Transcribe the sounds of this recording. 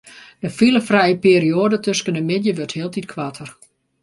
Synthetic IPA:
dəfiləfrɛjəpeːrioədətʰøskənəmɪdjəʋørthiəlˠtʰit̚kʰʋatʰər

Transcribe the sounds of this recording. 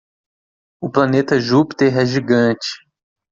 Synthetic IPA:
ʊplɐnet̪ɐʒupi̥t̪eɦɛʒiɡɐ̃t͡ʃɪ̥

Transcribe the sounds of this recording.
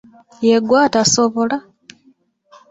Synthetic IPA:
jeɡwaːtasoβo̞la

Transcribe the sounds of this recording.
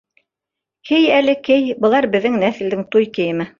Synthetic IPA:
hɘjælɘkɘjbɤ̆lˠɑɾbɘ̆ðːɘŋnæθɘ̆ld̪ɘŋt̪ujkɘ̆jɘ̆mɘ

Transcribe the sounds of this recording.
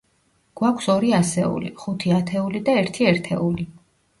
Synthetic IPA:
ɡ̥wakʷʰsɔɾiasɛṵlḭχut̪ʰiat̪ʰɛulid̪aɛɾt̪ʰiɛɾt̪ʰɛ̰uli

